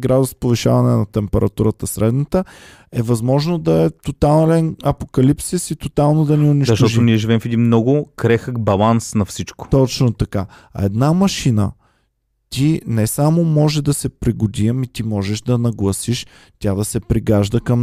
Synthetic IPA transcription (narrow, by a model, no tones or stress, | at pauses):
ɡɾad̪ʊspoviʃavɐnɛnɐt̪ɛmpɛɾɐt̪uɾət̪əsɾɛd̪nət̪ə | ɛvɐzmɔʒnod̪ɐɛt̪ot̪allɛnɐpokɐlipsisit̪ot̪alˠnod̪ɐniʊniʃzɐʃt̪ɔoniɛʒivɛmfɛd̪inmnɔɡʊkɾɛxəkbɐlˠansnɐfsit͡ʃko̥t̪ɔt͡ʃnot̪ɐka | ɐ̰ɛd̪namɐʃinə̰ | t̪inɛsamomɔʒɛd̪ɐsɛpɾiɡʊd̪iəmit̪imɔʒɛʃd̪ɐnɐɡlˠɐsiʃ | t̪ʲjad̪ɐsɛpɾiɡaʒd̪əkɐm